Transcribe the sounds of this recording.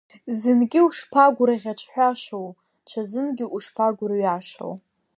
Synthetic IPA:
zɨnɡʲɪuʂpʰaɡʷʊɾaʁʲat͡ʃʷʰħᶣʷaʃow | t͡ʃʷʰazɨnɡʲɪʔuʂpʰaɡʷʊrɥaʂo̰w

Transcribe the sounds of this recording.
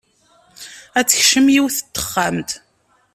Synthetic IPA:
æt͡sːə̥çʃəmjiwθə̥t̪ːə̥χːamt̪

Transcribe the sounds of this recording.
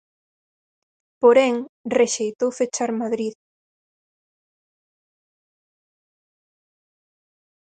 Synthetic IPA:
poɾeŋreʃejt̪owfet͡ʃaɾmaðɾið

